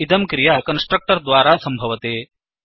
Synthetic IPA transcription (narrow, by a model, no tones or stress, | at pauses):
it̪ɐmkɾijaːkɐnsʈɾɐk̚ʈɐɾd̪ʋaːɾaːsɐmbʱɐʋɐt̪eː